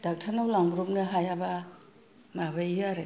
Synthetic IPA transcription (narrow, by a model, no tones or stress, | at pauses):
dak̚tʰanawlaŋbɾup̚nɯɦajaba | mabajiaɾa